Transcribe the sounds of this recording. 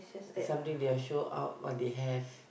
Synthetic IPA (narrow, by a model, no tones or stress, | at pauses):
sãmt̪ĩŋdeɔʃoa̰ʊt̚wɔ̰̃deɦɛf